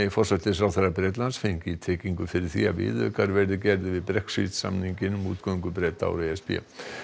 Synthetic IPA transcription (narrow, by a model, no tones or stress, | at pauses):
fɔr̥sat̪lɪfɾawθɛɾapɾɛːt̪lansfeɲcɪit̪ʰɛːciŋkʏfɪɾɪɾ̥θḭavɪ̰ːðʏ̰kaɾvɛɾðɪcɛɾðɪvɪðpɾɛksḭt̪sa̰mniŋcɪnmuːt̪kowŋkʏpɾɛːt̪a̰wɾeɛspɛ̰